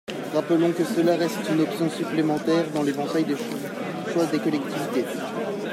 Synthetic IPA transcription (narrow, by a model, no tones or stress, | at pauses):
ʁapəlɔ̃kəsəlaʁɛst̪ynɔpsjɔ̃syplemɑ̃t̪ɛʁd̪ɑ̃levɑ̃t̪ajd̪eʃ | ʃwad̪ekɔlɛk̚t̪ivit̪e